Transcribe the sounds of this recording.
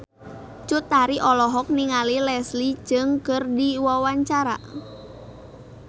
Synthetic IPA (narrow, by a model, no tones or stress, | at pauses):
t͡ʃʊt̪ːaɾiʔɔlɔɦɔk̚niŋalilɛsli̥d͡ʒ̥ɨŋkərdiwawaɲt͡ʃaɾa̰